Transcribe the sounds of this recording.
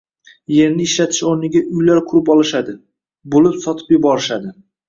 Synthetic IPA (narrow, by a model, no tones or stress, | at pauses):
je̞ɾnɪɪʃlat̪ʰɪ̥ʃoɾnɪɡʲaʔʊjlaɾkʰʊɾɪpɒlˠɪʃad̪ɪ | bolɪpsɒt̪ʰɪ̥pjʊbɒɾɪʃad̪ɪ